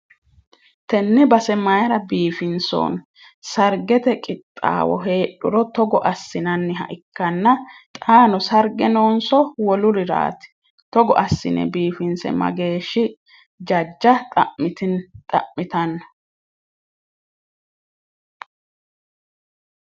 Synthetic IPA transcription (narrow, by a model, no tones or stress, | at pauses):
t̪ɛnːɪbɐsɛmɐjɐɾɐbiːfɪnso̰ːn | sɐɾɡɛt̪ɛkʼɪt̪ʼːa̰ːwɔ̰ɦe̞ːɗʊɾɔt̪ɔɡɔʔɐsːɪnɐnːɪɦɐ̰ʔɪkːɐnːɐt̪ʼaːnɔsɐɾɡɛnoːnsɔwɔlʊɾɪɾa̰ːt̪ɪ̥ | t̪ɔɡɔ̰ʔɐsːɪ̰nɛ̰biːfɪnsɛ̰mɐ̰ɡe̞ːʃːɪ | d͡ʒɐd͡ʒːɐt̪ʼɐ̰ʔmɪt̪ɪnt̪ʼɐ̰ʔmɪt̪ɐnːɐ̥